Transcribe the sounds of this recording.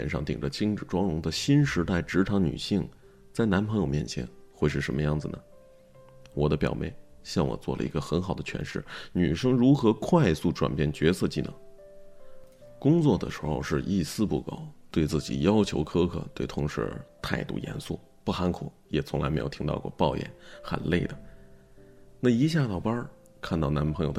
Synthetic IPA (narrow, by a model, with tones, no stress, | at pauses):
jɛ̰˨˩nʂɑ̰˥˩ŋt̪ḭ˨˩ŋʈ͡ʂə˦t͡ɕʰi˥ŋʈ͡ʂɻ̩˨˩ʈ͡ʂwɑ˥ŋɻʊ˧˥ŋd̪ə˨ɕi˥nʂɻ̩˧˥t̪a˥˩ɪʈ͡ʂɻ̩˧˥ʈ͡ʂʰɑ˧˥ŋny̰˨˩ɕi˥˩ŋ | t͡sa˥˩ɪna˧˥npʰɤ˧˥ŋjo˨˧ʊmjɛ˥˩nt͡ɕʰjɛ̰˧˥nxwe˥˧ɪʂ̬ɻ̩˥˩ʂə˧˥nmə˧jɑ˥˩ŋd͡zɹ̩˩nə̰˩ | wɔ˨˩d̪ə˦pjɑ̰˨˩ʊmḛ˥˩ɪɕjɑ˥˩ŋwɔ̰˨˩t͡swɔ̰˥˩lə̰˨˩i˧˥ɡə˧xə˧˥nxɑ˨˩ʊd̪ə˦t͡ɕʰɥɛ̰˧˥nʂɻ̩˥˩ny˨˩ʂɤ˥ŋɻu˧˥xɤ˧˥kʰwa˥˧ɪsu˥˩ʈ͡ʂwa̰˨˩npjɛ˥˩nt͡ɕɥɛ˧˥sɤ˥˧t͡ɕi˥˩nɤ̰˧˥˦ŋ | kʊ˥ŋt͡swɔ˥˩d̪ə̰˩ʂɻ̩˧˥xo˧ʊʂɻ̩˥˧ʔi˥˩sɹ̩˥pṵ˥˩ko˨˩ʊt̪we˥˧ɪt͡sɹ̩˥˩t͡ɕḭ˨˩jɑ˥ʊt͡ɕʰjo˧˥ʊkʰɤ˥kʰɤ̰˥˩t̪we˥˩ɪt̪ʰʊ˧˥ŋʂɻ̩̰˧˥t̪ʰa˥˧ɪt̪ṵ˥˩jɛ̰˧˥nsu˥˩ | pu˥˩xa˧˥nkʰṵ˨˩˦jɛ˨˩t͡sʰʊ˧˥ŋla˧˥ɪm˧˥ɪjt̪ʰi˧˥t̪ɑ˥˧ʊkwɔ̰˥˧˩pɑ˥˧ʊjɛ̰˨˩˦nxə̰˨˩nle˥˩ɪd̪ə˩ | na˥˩i˧˥ɕ̬ja˥˩t̪ɑ˨˩ʊpɐ˥ | kʰa˥˧nt̪ɑ˥˩ʊna˧˥npʰɤ˧˥ŋjo˧˩ʊ